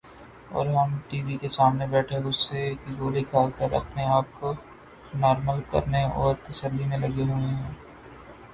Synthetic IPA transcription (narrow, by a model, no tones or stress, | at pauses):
ɔ̰ːɾɦɐmʈiːʋikesaːmnebɛːʈʰeʊsːekiɡoːlikaːlkəɾɐ̰pneaːp̚ko | nɔːɾməlkɐ̰ɾneɔːɾt̪ɐsəlːimẽlɐɡeɦoeɦɛ̃ː